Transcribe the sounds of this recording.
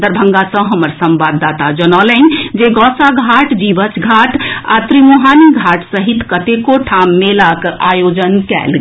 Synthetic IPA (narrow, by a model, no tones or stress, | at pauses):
d̪əɾbʱəŋɡasə̃ɦəməɾsəmbad̪ːat̪ad͡ʒənɔlənd͡ʒeɡɔsaɡʱaʈd͡ʒibət͡ʃɡʱaʈʰa̰t̪ɾimuɦaniɡʱaʈsəɦit̪kət̪ekoʈʰamːelakʔajod͡ʒənkɛ̰lɡ